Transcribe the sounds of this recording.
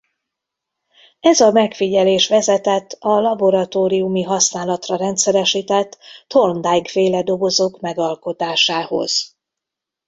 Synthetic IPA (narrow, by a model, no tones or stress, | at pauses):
ɛzɒmɛkfiɟɛleːʃʋɛzɛt̪ɛt̪ːɒlɒbo̞ɾɒt̪oːɾiumiɦɒsnaːlɒt̪rɒɾɛnt̪sɛɾɛʃiːt̪ɛt̪ːo̞rnd̪ajkfeːlɛd̪o̞ɡo̞zoːkmɛɡɒlko̞t̪aːʃaːho̞̰z̥